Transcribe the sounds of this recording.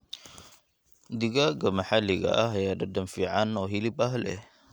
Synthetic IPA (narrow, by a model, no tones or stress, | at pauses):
d̪iɡaɡəmaħaliɡa̰ʔaɦjadadəmfiʕanoɦilipaɦlḛ